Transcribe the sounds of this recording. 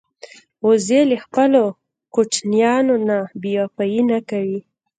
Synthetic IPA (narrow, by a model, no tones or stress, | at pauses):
ozelexpəlo | kot͡ʃnjɑnonabijapajinakawi